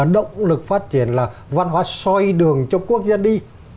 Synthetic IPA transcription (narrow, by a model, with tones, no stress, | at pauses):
ɗə̰˧˨wŋ͡mlɨ˨˩k̚faː˦˥t̚t͡ɕi˧˩ənlaː˨˩va˧nɦwaː˨˦sɔ˧jɗɨ˨˩əŋt͡ɕɔ˧ku˦˥ək̚zaː˧nɗi˧